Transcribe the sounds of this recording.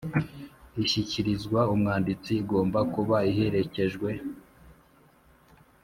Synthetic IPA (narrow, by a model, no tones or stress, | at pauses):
içiciɾizɡwaumŋaːndit͡siɡo̞ːmbakuβaihe̞ɾe̞ce̞ʒɡwe̞